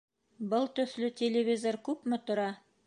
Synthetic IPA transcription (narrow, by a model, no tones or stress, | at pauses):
bɤlˠt̪ɵ̆θlɵtʲelʲevʲizoɾkʉpmɘt̪ŏɾɑ